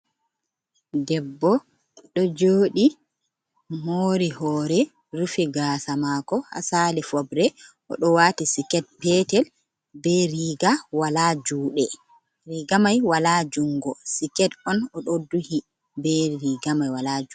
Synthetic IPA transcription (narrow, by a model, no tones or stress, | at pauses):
dɛbːɔ | ɗɔd͡ʒoːɗi | moːɾihɔːɾɛ | ɾufiɡaːsamakɔha̰salifɔbɾɛʔɔ̰ɗɔwatisikɛt̚pɛtɛl | bɛɾiːɡawalad͡ʒuːɗɛ | ɾiɡamajwalad͡ʒuŋɡɔsikɛtɔnɔɗɔduhi | bɛɾiɡamajwalad͡ʒu